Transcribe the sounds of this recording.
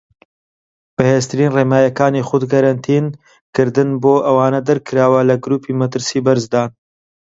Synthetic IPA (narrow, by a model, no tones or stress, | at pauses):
b̥ɐheːst̪ɨɾiːnreːmaːjɐkaːniːχʊd̪kɐɾɐnt̪ʰin | kɨɾd̪ɨnboːʔɐwaːnɐd̪ɐɾkʰɨɾaːwɐlɐɡɾuːpʰiːmɐt̪ɨɾsiːbɐɾzd̪aːn